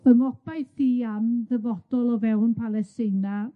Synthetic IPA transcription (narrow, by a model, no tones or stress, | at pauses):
əmɔbajθiːamðəvɔd̥ɔlˠɔvɛwnpʰalˠɛstɪna